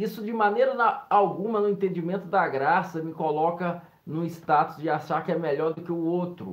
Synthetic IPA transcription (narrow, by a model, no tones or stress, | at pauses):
isʊd͡ʒɪmɐ̃nejɾɐnɐawɡũmɐnʊẽnt̪ẽnd͡ʒimẽnt̪ʊd̪ɐɡɾasɐmɪkolɔkɐ | nʊ̃ɪst̪at̪ʊ̥sd͡ʒɪaʃaɾkɪɛmɛʎɔɾd̪ʊkɪʊowt̪ɾʊ̰